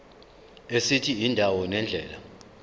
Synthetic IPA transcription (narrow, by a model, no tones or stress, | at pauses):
esitʰiindʱawɔnɛnd͡ɮʱɛːla